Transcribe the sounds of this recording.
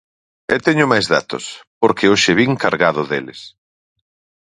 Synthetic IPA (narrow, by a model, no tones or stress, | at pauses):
ɛt̪ɛɲʊmajzða̰t̪ʊ̰spoɾkɪoʃɪβiŋkaɾɣaðʊðelɪ̰s